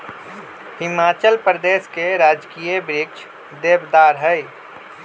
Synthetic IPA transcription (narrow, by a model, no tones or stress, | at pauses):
hɪmaːt͡ʃəlpɾəd̪eːskeɾaːd͡ʒkijebɾɪkt͡ʃʰ | d̪eːbd̪aːɾɦəj